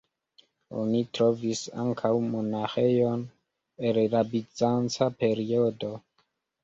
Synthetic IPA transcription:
o̰nitɾo̞visa̰ŋkʰawmonaxejo̞n | elɾabit͡sant͡sape̞ɾiodo̞

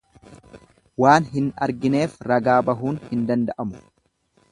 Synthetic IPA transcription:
waːnɦɪnɐɾɡɪne̞ːfɾɐɡaːbɐɦuːnhɪnd̪ɐnd̪ɐʔɐmʊ̥

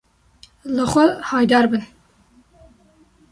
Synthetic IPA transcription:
ləxʷɛhɑːjd̪ɑːɾbɨn

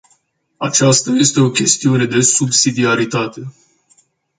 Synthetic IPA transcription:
at͡ʃast̪aje̞st̪e̞o̞kʲe̞st̪iune̞d̪e̞subsid̪iaɾit̪at̪e̞

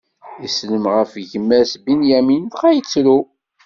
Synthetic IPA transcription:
isləmʁəfʝəmːæsbinjæminθχæjət͡sːɾu

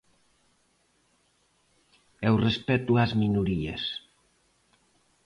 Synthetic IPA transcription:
ɛwrespɛt̪uazminuɾiɐ̰s

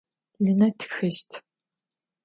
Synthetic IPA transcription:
lɨnɐtʰxɨʃtʰ

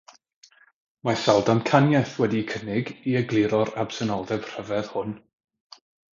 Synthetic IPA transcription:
masalˠdankʰanjɛθwɛdikʰənɪɡiəɡlˠɪɾɔɾab̥sɛnɔlˠdɛb̥r̥əvɛð̥hʊn

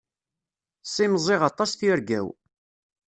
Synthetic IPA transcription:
sˤimzˤɪʁɑt̪ˤɑsθiɾɡæ̰w

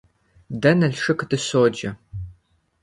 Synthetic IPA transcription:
dɐnɐɬʂɨkʰdɨsoːd͡ʒɐ

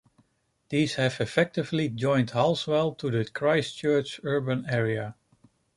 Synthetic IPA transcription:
ð̥iz̥hɨvɨfɛk̚tɪvlid͡ʒɔ̃ɪ̃nthaʊswɛlˠtʰuðɨkʰɹaɪst͡ʃɜ˞t͡ʃɜ˞bə̃nɛɹiə

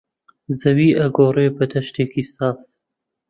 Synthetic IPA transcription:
zɐwiːʔɐɡoːreːbɐd̪ʰɐʃt̪eːkisaːf

